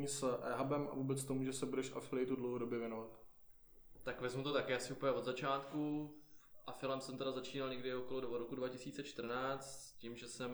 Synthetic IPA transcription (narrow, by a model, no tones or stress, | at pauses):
iːsʔɛ̰ɦabɛmʔa̰vuːbɛt͡st̪omuʒɛsɛbudɛʃʔa̰fɪlɛjt̪udlowɦodobjɪɛvjɛnovat̪ | t̪akvɛzmut̪o̞t̪akɪasɪʔupəɲɛʔ̪zat͡ʃaːt̪ku | ʔafɪlɛmsɛmt̪ɛɾazat͡ʃiːnalɲɛɡdɪoko̞lodvoɾokudvacɪsiːt͡sɛt͡ʃt̪r̩naːt͡st̪scimʒɛsɛm